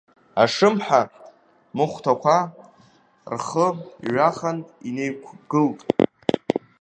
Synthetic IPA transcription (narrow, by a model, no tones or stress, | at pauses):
aʂɨmħa | mɨχʷtʰakʷʰa | rχəɥaχanine̞jkʷʰɡ̥ɨltʼ